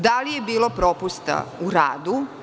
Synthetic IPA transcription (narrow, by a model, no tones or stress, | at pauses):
d̪alijebiːlo̞pɾopust̪a̰uɾa̰ːd̪u